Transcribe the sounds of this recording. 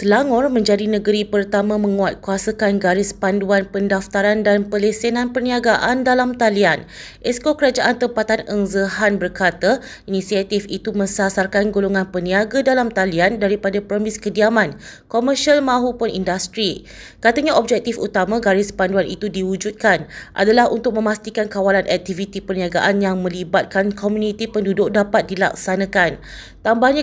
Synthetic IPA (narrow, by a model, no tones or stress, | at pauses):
səlaŋɔrmə̃ɲd͡ʒadinə̃ɡəɾipərt̪amãmə̃ŋuat̪̚kuasakanɡaɾɪspanduanpəndaft̪aɾandanpəlesenãnpərnĩaɡaʔandalamt̪alian | ʔɛskokəɾad͡ʒaʔant̪əmpat̪anəŋzəɦanbərkat̪a | inĩsiat̪ifit̪umə̃sasarkanɡoloŋãnpəniaɡadalamt̪aliandaɾipadapɾəmĩskədiamãnkɔmərʃalmãɦupʊnḭndast̪ɾi | kat̪aɲaʔɔb̚d͡ʒɛk̚t̪ifṵt̪amãɡaɾɪspanduanḭt̪udiwud͡ʒut̪̚kanʔa̰dalahṵnt̪ʊk̚mə̃mast̪ikankawalanʔɛk̚t̪ivit̪ipərniaɡa̰ʔanjaŋmə̃libat̪̚kankʰɔmjunĩt̪ipəndudʊk̚dapat̪̚dila̰k̚sanãkan | t̪ambahɲã